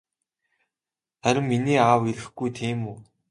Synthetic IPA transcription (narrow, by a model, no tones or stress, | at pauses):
χæɾʲɪ̆mːiniːaːwiɾɘ̆xɡujt̪ʰiːmuː